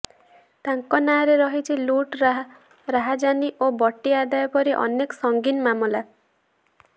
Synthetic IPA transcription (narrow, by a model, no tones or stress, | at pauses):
t̪aŋkɔnaɾeɾɔɦit͡ʃʰiluʈɾɦ | ɾaɦad͡ʒaniʔobɔʈːiad̪ajɔpɔɾiʔɔ̰nekɔ̥sɔŋɡinmamula